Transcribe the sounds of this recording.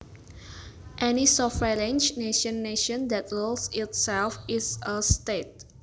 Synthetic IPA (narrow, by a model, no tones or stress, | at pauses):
ʔɛnisɔfɹɛlẽnd͡ʒneʃə̃nːeʃə̃ndɛt̚ɹolsɪtsɛlfɪsəstet̚